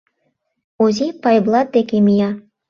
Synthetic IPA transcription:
ozʲipɑjblˠɑt̪̚d̪ekemijɑ

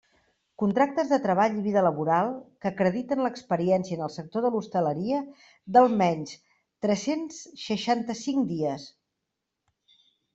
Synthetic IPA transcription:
kunt̪ɾak̚t̪əzðət̪ɾəβaʎiβ̞iðələβuɾalˠkəkɾəðit̪ənləkspəɾiɛnsiənəlˠsək̚t̪oðəlust̪ələɾiə | d̪əlˠmɛɲs | t̪ɾɛsensʃəʃant̪əsiŋkd̪iəs

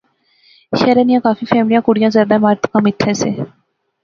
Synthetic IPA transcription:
ʃɛɾeːnijãːkaːfiːfʰɛːmlijãːkʊɽijãːzjaːɾd̪aːɪmaːɾt̪kãːmɪt̪ʰːɛ̃ːseː

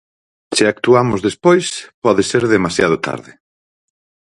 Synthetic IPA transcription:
sɪak̚t̪uamʊzðespojspɔðɪseɾðemasjað̞ʊt̪ʰa̰ɾðɪ

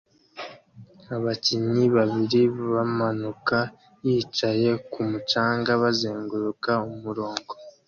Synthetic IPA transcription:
aβaciɲiβaβiɾiβamanuka | jiːt͡ʃaje̞kumut͡ʃaːŋɡaβazeːŋɡuɾukaumuɾo̞ːŋɡo̞

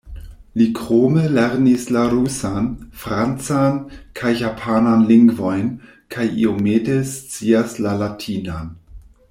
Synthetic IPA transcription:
likʰʁoməleɾnislaɾusanfɾant͡sankʰajːapʰananliŋɡvo̞jn | kʰajḭomeːdest͡siaslalatʰiːnan

